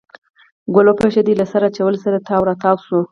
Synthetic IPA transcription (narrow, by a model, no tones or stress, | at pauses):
ɡʊlopeʃed̪ilasaɾaːt͡ʃawəlsaɾat̪ʰɑwɾat̪ɑwsu